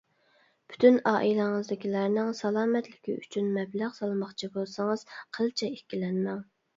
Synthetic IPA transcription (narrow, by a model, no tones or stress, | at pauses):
pʰy̥t̪ʰynɑːʔilæŋɨzd̪ɪkʲilæɾnɪŋsɑlˠɑːmɛt̪lɪkʲḭy̰t͡ʃʰynmɛblæʁsɑlˠmɑχt͡ʃʰibolˠsɑŋɨz̥qʰəlˠt͡ʃʰɛekʲilɛnmɛŋ